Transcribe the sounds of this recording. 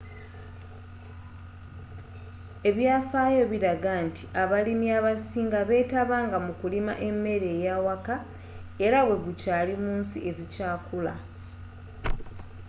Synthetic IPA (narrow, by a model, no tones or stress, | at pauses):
e̞βjaːfaːjo̞βiɾaɡaːnti̥aβalimiaβasiːŋɡaβe̞ːtaβaːŋɡamukulima̰ʔe̞mːe̞ɾe̞ːjaːwaka | e̞ɾaβwe̞ɡucaːlimuːnsiʔe̞zicaːkula̰